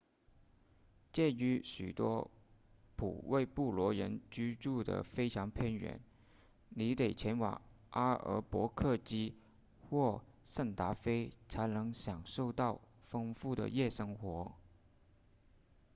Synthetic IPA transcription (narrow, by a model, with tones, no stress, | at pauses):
t͡ɕjɛ˥˩ny˧˥ɕy̰˨˩t̪wɔ̰˥ | pʰṵ˨˩wʔe˥˧ɪpu˥˩lwɔ˧˥ɻə˧˥nt͡ɕy˥ʈ͡ʂu˥˩d̪ə̰˩fe˥ɪʈ͡ʂʰɑ˧˥ŋpʰjɛ˥˩nɥɛ̰˨˩˦n | ni˧˥t̪e˨˩ɪt͡ɕʰjɛ˧˥nwɑ̰˨˩ŋ | ʔa˥ə̰˧˥pwɔ˧˥kʰɤ˥˩t͡ɕi˥ | xwɔ˥˩ | ʂə˥˩nt̪a˧˥fe˥ɪt͡sʰa˧˥ɪnɤ˧˥ŋɕjɑ˨˩ŋʂo˥˧ʊt̪ɑ˥˩ʊ | fɤ˥ŋfu˥˩d̪ə̰˨˩jɛ˥˩ʂɤ˥ŋxwɔ˧˥